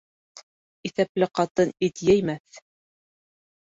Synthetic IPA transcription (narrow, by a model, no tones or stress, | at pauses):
iθæplɘqɑt̪ɤnit̪jæjmæθ